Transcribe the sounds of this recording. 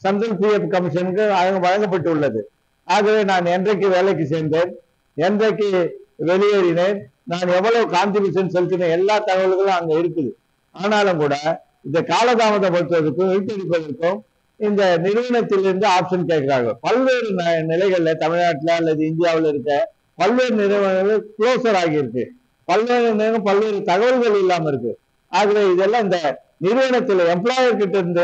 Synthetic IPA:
sɐnd̪ɐɾpiɛpːkɐmɪʂɐnɯkːɯɐðɐŋɡɐʋɐɻɐŋɡɐp̬ːɐʈːɯʊɭːɐðɯ | aːɣɐʋeːnaːnɛndrɐk̬ːɯʋeːlɛk̬ːɯseːɾnd̪eːn | ɛndrɐkːɯʋɛɭɪjɐɽɪneːnnaːnɛʋːɐɭɐʋɯkaːnt̪ɾɪbiːsɐnsɛlt̪ːɪnɐɛlːaːt̪ɐɣɐʋɐɭɯɣɐɭʊ̃ɐŋɡɐɪɾɯkːɯðɯ | aːnaːlɯmkuːɽɐ | ɪnðd̪ɐkaːlɐðaːmɐðɐ̃pɐɽɯt̪ːɯʋɐðɯkːɯ̃ʋɪp̪ːɐɽɪp̬ːɐðɐɾɯkːɯ̃m | ɪnd̪ɐnɪɾɯʋɐɳɐt̪ːɪlɪɾɯnd̪ɯaːpʂɐnkeːʈkːɪɾaːɣɐ̰ɭpɐlʋeːɾɯnnɪlɐɪɣɐɭːɐt̪ɐmɪɻnaːʈːɪlɐːlːɐðɯɪnd̪ɪjaːʋɪlɪɾɯkːɐ | pɐlʋeːɾɯnɪlɐʋɐɳʋekɭoːsɐɾaːɣɪjɪɾɯkːɯ | pɐlʋeːnɾɯnd̪ɯɡɐpɐlʋeːɾɯt̪ɐɣɐʋɐɭɣɐɭɛlːaːmɐɪɾɯkːɯ | aːɣɐʋeːɪðɛlːãːɪnd̪ɐ | nɪɾɯʋɐɳɐt̪ːɪlɛmplaːjɐɾkːɪʈːɯɾɯnd̪ɯ

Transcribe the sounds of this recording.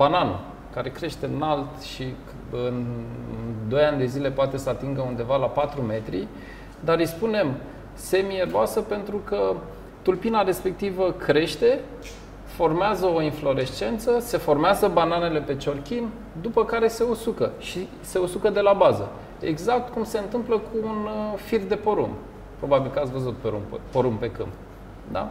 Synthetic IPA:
bananṵ | kaɾe̞kɾe̞ʃt̪e̞ɨnalt̪ʃi | ɨn | d̪o̞janʲd̪e̞zile̞poat̪e̞səat̪iŋɡəund̪e̞valapat̪ɾume̞t̪ɾḭ | d̪aɾɨjspune̞m | se̞mieɾoasəpe̞nt̪ɾukə | t̪ulpinaɾe̞spe̞k̚t̪ivəkɾe̞ʃt̪e̞ | fo̞rmeazəo̞inflo̞ɾe̞ʃt͡ʃe̞nt̪səse̞fo̞rmeazəbanane̞le̞pe̞t͡ʃo̞rkʲin | d̪upəkaɾe̞se̞osukəʃi | se̞osukəd̪e̞labazə | e̞̰ɡzak̚t̪kumse̞ɨnt̪ɨmpləkʰuːnfird̪e̞po̞ɾṵm | pɾo̞babilkəat̪svəzut̪̚peɾṵmppoɾumpe̞kɨ̰mp | d̪a̰

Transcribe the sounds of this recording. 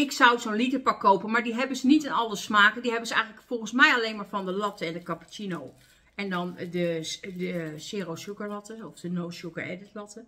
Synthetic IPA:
ɪksɔwsoːnlitəpakːowpənmaɹdiɦɛbənsənitɪnɔlˠəsmaːkədiɦɛbənzəɛ̰jɣənləkfɔlˠɣənsmɛjaleːnmaːɹfɔndəlɔtəɛndəkapə̥t͡ʃinow | ɛndɔndədəsɪːrowsukəɹlɔtəɔfdənowsjukəɹɛ̰dɪtlɔtə

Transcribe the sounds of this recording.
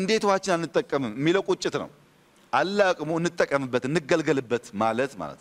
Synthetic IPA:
ɨnd̪e̞t̪ʰuhat͡ʃːɪnalnɨt̪ʼːəkʼːəmɨmɨmːiləwkʼut͡ʃʼːɪt̪nə̰w | ʔalːakʼmuɨnːɨt̪ʼːəkʼːəmɨbːət̪ɨnːɨɡəlɡəlɨbːət̪malət̪ma̰lə̰t̪n

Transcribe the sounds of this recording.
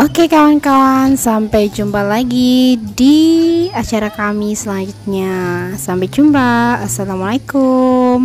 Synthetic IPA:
ʔokekankansampajd͡ʒumbalaɡidiat͡ʃaɾakamisəlaɲd͡ʒut̪̚ɲasampajd͡ʒumpaasalamalajkum

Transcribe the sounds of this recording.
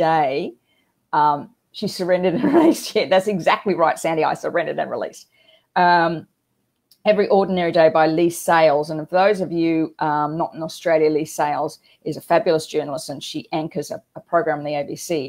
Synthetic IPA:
d̥eɪ | ʌ̃m | ʃi̥sə˞ɛ̃ndɨɾɨ̃nɹɨlist͡ʃʰɛt̚ðætsɨɡzæk̚tˡliɹaɪtsæ̃ndia̰ɪsə˞ɛ̃ndɨɾɨ̰̃nɹɪ̰lḭs | ʌ̃m | ɛvɹiʔɔɹdⁿn̩ɛɹideɪbaɪliseɪlˠzə̃nfəðoʊzʌvjʉʔʌ̃mnəɾ̃n̩əstɹ̥eɪlˠjɨliseɪlˠz | ʔɨzɨfæbjl̩ˠəsd̥ʒ̥ɜ˞nl̩ˠəstɨ̃nʃiʔæ̃ŋkə˞zə̰əpʰɹ̥əʊɡɹæ̃m̩ðieɪbisi

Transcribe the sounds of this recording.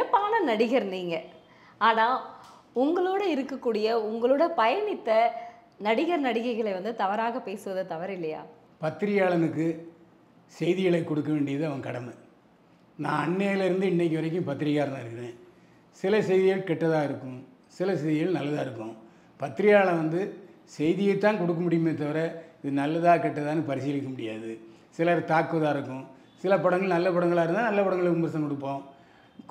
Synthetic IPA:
ɐpːaːnɐnɐɽɪɣɐɾniːŋɡɐ | aːnaː | ʊŋɡɐɭoːɽɐɪɾɯkːɐkːuːɽɪjɐʊŋɡɐɭoːɽɐpɐjɐnɪt̪ːɐ | nɐɽɪɣɐɾnɐɽɪkːɐɪɣɐɭeʋɐnd̪ɯt̪ɐʋɐɾaːɣɐpeːsɯʋɐðɐt̪ɐʋɐɾɪlːɐja̰ː | pɐt̪ːɪɾɪjaːɭɐnɯkːɯ | sɛjðɪɣɐɭɐɪkːɔɽɯkːɐʋeːɳɖɪjɐðɯɐʋɐ̃ŋkɐɽɐmɐ | nã̰ːɐɳːeːjɐlɪɾɯnd̪ɯɪɳːɛk̬ːɪʋɐɾɐk̬ʲːɯ̃mpɐt̪ːɪɾɪkːaːɾɐnaːɪɾɯkːɪɾẽː | sɪlɐsɛɪðɪɣɐɭkɛʈːɐðãːɪɾɯkːʊ̃m | sɪlɐsɛɪðɪɣɐɭnɐlːɐðãːɪɾɯkːʊ̰̃ | pɐt̪ːɪɾɪjaːɭɐʋɐnd̪ɯsɛjðɪjɐɪt̪ːãːnkɔɽɯkːɐmʊɽɪjɯmeːt̪̬ːɐʋɐɾɐɪðɯnɐlːɐðãːkɛʈːɐðaːnɯpɐɾɪsɪjlɪkːɐmʊɽɪja̰ːðɯ | sɪlaːɾɯt̪aːkːʋɐðaːɪɾɯkːʊ̃ | sɪlɐpɐɽɐŋɡɐɭnɐlːɐpɐɽɐŋɡɐɭaːɪɾɯnd̪aːnɐlːɐpɐɽɐŋɡɐɭɯʊmɐɾɪsɐ̃ŋkɔɽɯp̬ːõː

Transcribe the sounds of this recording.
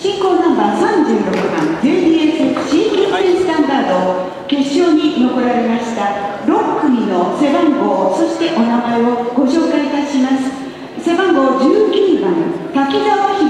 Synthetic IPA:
ɕĩŋko̞ːnãmbasãɲd͡ʑɨːɾo̞kɯ̟bã̰ŋzeːd̪ʲiːeseɯ̥ɕĩkʲibaɾʲĩsɨ̥t̪ãnd̪aːd̪o̞ | ke̞ɕːo̞ːɲ̟ino̞ko̞ɾaɾe̞maɕi̥t̪aɾo̞kɯ̟ɲino̞se̞bãŋɡo̞ːso̞ɕi̥t̪e̞ʔo̞namaeoɡ̥o̞ɕo̞ːkait̪aɕimasɨ̥ | se̞bãŋɡo̞ːd͡ʑɨːkʲibãn | t̪akʲid̪aβoçi

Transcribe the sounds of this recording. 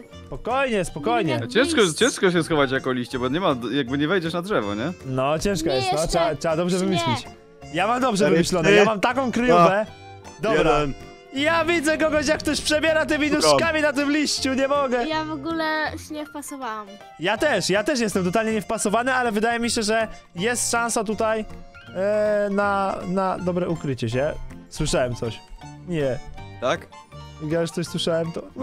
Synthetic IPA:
ssspɔkɔjɲɛspɔkɔjɲɛt͡ɕɛ̃ʂkɔt͡ɕɛ̃ʂkɔɕ̬ɛsxɔvat͡ɕjakɔlʲiɕt͡ɕɛbɔɲɛmajaɡ̚bɘɲɛvɛjd͡ʑɛʂnad̪ʐɛvɔ̰ɲɛnɔt͡ɕɛ̃ʂkɔjɛst̪nɔɛatʂɛad̪ɔbʐɛvɨmɘɕlʲit͡ɕ | jamamd̪ɔbʐɛvɨmɘɕlɔnɛjamamt̪akɔ̃w̃kɾjuvɛ | d̪ɔɛbɾa | ijavʲid̪zɛkɔɡɔɕ̬jak̚ːt̪ɔɕpʂɛbʲjɛɾat̪̬ɪmʲinuʂkamʲinat̪̬ɨmlʲiɕt͡ɕuɲɛmɔɡɛjavɔɡulɛɕɛɲɛfpasɔvawam | jat̪ɛʂjat̪ɛʂ̬jɛst̪ɛmt̪ɔt̪alɲɛɲɛfpasɔvanɨalɛvɘd̪ajɛmʲiɕɛʐɛ | jɛst̪ʂãñsat̪ut̪aj | nanad̪ɔbɾɛʔukɾɘt͡ɕɛɕ̬ɛswɨʂawɛmt̪sɔɕɲɛt̪ak | ijajuʂt̪sɔɕswɨʂawɛmt̪ɔ

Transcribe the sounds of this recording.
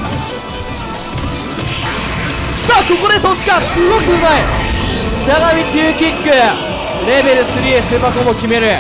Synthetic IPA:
saːkoko̞d̪e̞t̪ot͡ɕi̥kasɨɡokɯmai | saɣamʲit͡ɕɯːkʲikːɯ | ɾe̞be̞ɾɯ̟sɨɾʲiesemakomokʲime̞ɾɯ̟

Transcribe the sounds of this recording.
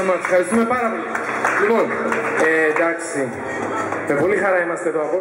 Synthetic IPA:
mɐt̪seɐɾist̪ume̞pɐɾɐpo̞li | lipo̞ned̪ɐksi | mepo̞lixɐɾɐimɐst̪et̪oɐɣo

